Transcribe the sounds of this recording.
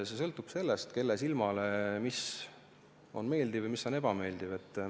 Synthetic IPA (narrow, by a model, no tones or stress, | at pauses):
sesɤlt̪ːˑub̥se̞lːest̪ke̞lːesilmɑle̞mis | o̞̰nme̞ːld̪ivɨjmisːo̞neb̥ɑme̞ːld̪̥iv̥e̞t̪ːˑ